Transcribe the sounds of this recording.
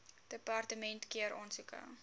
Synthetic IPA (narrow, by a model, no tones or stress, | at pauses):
d̥əpɑrtəmɛntkiəɾɔnsukə̰